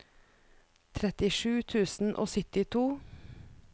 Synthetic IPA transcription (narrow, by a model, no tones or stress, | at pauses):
t̪ʰɾɛt̪ɪʃʉːt̪ʰʉːsn̩ʔo̰ːsʏt̪ɪt̪ʰuː